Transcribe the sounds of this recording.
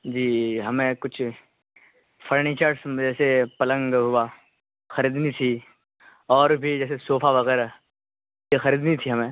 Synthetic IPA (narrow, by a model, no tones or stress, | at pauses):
d͡ʒiːɦɐmẽkʊt͡ʃʰ | fʰɐɾnit͡ʃaːɾʈsd͡ʒɛːsepɐlə̃ŋɡɦʊwa | xɐɾiːd̪nit̪ʰi | ɔːɾbʱid͡ʒɛːs̬esoːfʰaʋɐɣɛːɾa | jexɐɾiːd̪nit̪ʰiɦɐmẽː